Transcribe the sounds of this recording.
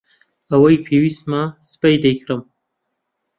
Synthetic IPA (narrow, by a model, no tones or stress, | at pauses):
ɐwɐjpʰeːwist̪masɨ̥pɐjd̪ɐjkʰɾɨm